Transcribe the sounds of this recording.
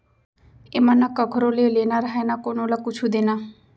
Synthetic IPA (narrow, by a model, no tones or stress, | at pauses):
emanakʌkʰɾolelenaɾaɦenakonolakut͡sʰud̪ena